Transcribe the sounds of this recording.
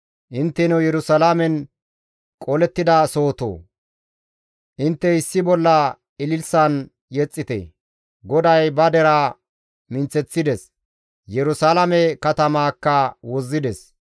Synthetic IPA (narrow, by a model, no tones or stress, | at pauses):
ʔɪnt̪ːɛnɛwjɛɾʊsɐlamɛn | kʼɔlɛt̪ːɪd̪ɐsoːt̪o̰ː | ʔɪnt̪ːɛɪsːɪbɔlːɐ | ɪlɪlsɐn | jɛt͡sʼːɪt̪ɛ̰ | ɡɔd̪ɐjbɐd̪ɛɾɐ | mɪnt͡sːɛt͡sːɪd̪ɛs | jɛɾʊsalɐmɛkɐt̪ɐmaːkːɐwɔzːɪd̪ɛs